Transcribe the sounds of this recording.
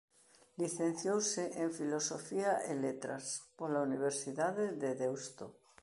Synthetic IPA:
liθẽn̟θjowseeɱfilosofiaʔelet̪ɾa̰spolauniβ̞eɾsiðaðeðeðewst̪o

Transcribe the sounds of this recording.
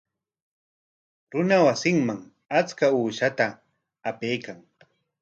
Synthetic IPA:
ɾʊnawasɪŋmaŋ | at͡skauːʃat̪aː | pejkaŋ

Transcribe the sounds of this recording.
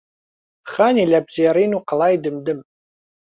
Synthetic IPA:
χanilʲabzijaɾiːnuqɑlaːjdɨmdɨm

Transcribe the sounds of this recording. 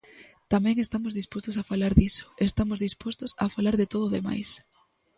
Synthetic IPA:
t̪amɛ̃ŋest̪amozðispost̪osafalaɾðisʊ̥est̪amozðispost̪osa̰falaɾðɪt̪oðoðema̰js

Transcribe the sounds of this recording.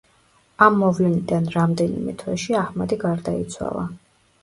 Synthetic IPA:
amːɔvlɛnid̪anɾamd̪ɛnḭmɛ̰t̪ʰwɛʃiahmad̪iɡaɾd̪ait̪sʰwa̰lˠa

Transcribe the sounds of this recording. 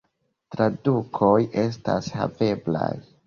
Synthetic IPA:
tɾadukʰo̞jʔe̞s̬tasha̰ve̞bla̰j

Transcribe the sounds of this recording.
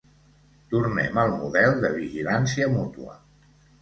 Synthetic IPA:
t̪urnɛ̰məlˠmuðɛlˠd̪əβiʒilansiəmut̪uə̰

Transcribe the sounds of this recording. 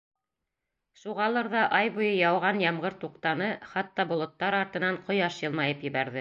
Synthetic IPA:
ʃuʁɑlˠɤɾðɑʔɑjβŭjɤjɑwʁɑnjɑmʁɤɾt̪uqt̪ɑnɤχɑt̪ːɑbŏlˠŏt̪ːɑɾɑɾt̪ɤ̆nɑɴqŏjɑʃjɤ̆lˠmɑjɤpjɘ̆βæɾðɘ

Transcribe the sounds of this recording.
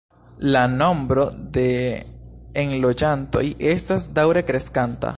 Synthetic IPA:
lano̞mbɾo̞de̞ | enlo̞d͡ʒanto̞̰jʔe̞stasdawɾekɾe̞skanta̰

